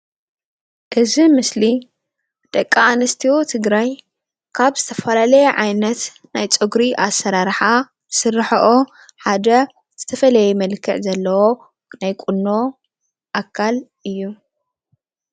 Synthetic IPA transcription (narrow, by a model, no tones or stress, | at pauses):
ʔɨzimɨsli | d̪̥ʼɐkʼːaːnɐst̪ʰiwot̪ʰɨɡɾaj | kʰaβzɨt̪ʰɐfɐlalɐjɛʕajnɐt̪ | najt͡sʼoɡɾiʔasːɐɾaɾħa | zɨsɨrːɨħɐʔo | ħad̪ɐ | z̥ɨt̪ʰɐfɐlɐjɛmɐlkʰːɨʕzɐlːɐwo̞ | najkʼunːo̞ | ʔakʰːal | ɨjːu